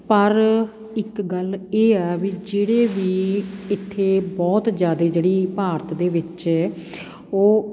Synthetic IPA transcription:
pəɾ | ɪkɡəleːɛːʋiːd͡ʒeːɽeːʋiːɪt̪ʰːeːbɔːt̪d͡ʒjaːd̪eːd͡ʒeːɽiːpaːɾət̪d̪eːʋɪt͡ʃɛː | oː

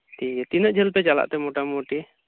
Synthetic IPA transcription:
t̪ijɛt̪inəʔd͡ʒʱɛlpɛt͡ʃala̰ʔt̪ɛmɔʈamoʈi

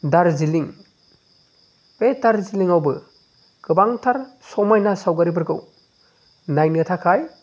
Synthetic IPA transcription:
daɾziliŋ | edaɾziliŋawbɯ | kɯbaŋtʰaɾsɔmajnasawɡaɾip̬ɯɾkɯw | najnɯtʰakʰaj

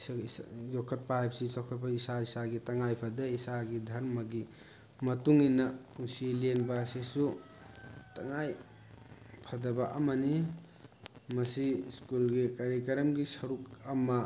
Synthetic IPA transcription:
jɔkʰːɐt̚paapsisɔkʰɐt̚paisaisaɡitɐŋajpʰɐdeisaɡidʱɐɾmɐɡi | mɐtuŋinɐpʰuŋsilienbasisu | tɐŋaj | pʰɐdɐbaʔɐmɐni | mɐsiskulɡikɐɾikɐɾɐmɡisɐɾukɐma

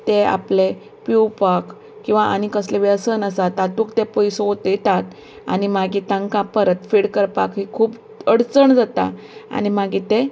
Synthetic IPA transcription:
t̪ea̰ple | piwpak | kːĩw̃ʋaʔanikəsleʋəsənəsat̪at̪ukt̪epəjsoot̪et̪at̪ | a̰nimaɡiːt̪ãŋkãpəɾət̪fiɽkəɾpakɦikʰuːp | əɽt͡səɳd͡zat̪a̰ | a̰ñimaɡit̪e

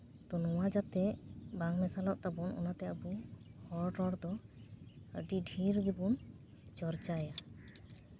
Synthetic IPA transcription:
t̪ɔnɔwad͡ʒat̪ɛbaŋmɛsalɔʔt̪abunʔɔ̰nat̪ɛəbuhɔɾʈɔɾd̪ɔ | ə̰ɖiɖʱiɾɡibun | t͡ʃɔɾt͡ʃaɛja

